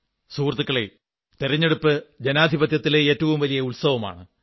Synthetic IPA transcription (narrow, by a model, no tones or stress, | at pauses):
suːrt̪ukːɐɭe | t̪iɾɐɲːe̞ɽupːɨd͡ʑenaːd̪ʱibɐt̪jɐt̪ːileeːtːɐʋumʋɐlijɐuɭsɐʋɐma̰ːɳɨ